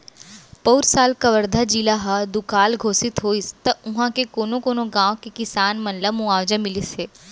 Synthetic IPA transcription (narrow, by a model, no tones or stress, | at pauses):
pəwɾsaːlkɐʋəɾd̪ʱad͡ʒilaɦad̪ʊkaːlɡʱoːsɪt̪ɦoːist̪ɐʊɦãkekoːnõkoːnoɡãːõkekɪsaːnmɐ̃nləmũaːʋd͡ʒə̃mɪliseː